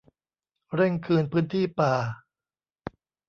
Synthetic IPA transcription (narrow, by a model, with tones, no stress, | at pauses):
ɾe˥˩ŋkʰɯː˧npʰɯː˦˥nt̪ʰiː˥˩paː˨˩